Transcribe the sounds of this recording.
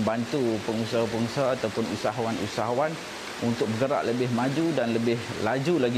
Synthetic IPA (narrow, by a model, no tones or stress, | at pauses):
mbant̪upəŋusaɦapəŋusaat̪awpʊnṵsaɦawanṵsaɦawan | unt̪ʊk̚bəɡəɾa̰ʔləbɪhmãd͡ʒudanləbɪhlad͡ʒulaɡi